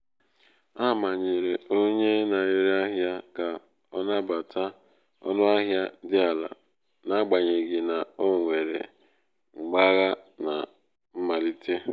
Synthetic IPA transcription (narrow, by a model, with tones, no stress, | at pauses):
a˦˨ma˨ɲe˨ɾe˨o˦ɲe˦na˨je˦ɾe˦a˦ɦja˦ka˨ | ɔ˦na˦ba˨tʰa˦ | ɔ̰˦nʊ˦a˦ɦja˦dɪ˦a˨la̰˨ | na˦ɡ͡ba˨ɲe˨ɡɪ˨na˨o˦˨ŋʷe˨ɾḛ˨ | ŋ͡m̩˨ɡ͡ba˦ɣa˦na̰˨ | m̩˦ma˨li˦tʰe˦